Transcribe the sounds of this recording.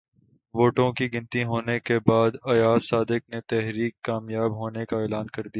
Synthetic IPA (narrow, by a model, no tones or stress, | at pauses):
ʋoːʈõkiɡɪ̃nt̪ĩɦoːnekebaːd̪ɐjaːsːaːd̪ɪk̚net̪ɛɦɾiːkːaːmjaːbɦoːnekaeːlaːnkɐɾd̪ija